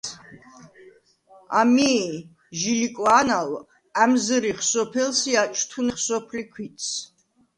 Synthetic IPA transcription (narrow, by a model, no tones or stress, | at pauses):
a̰mi | ʒilikʼwanal | æmzɾiχsɔpʰɛlsiat͡ʃʰʼt̪ʰuniχsɔpʰlikʰwit̪sʰ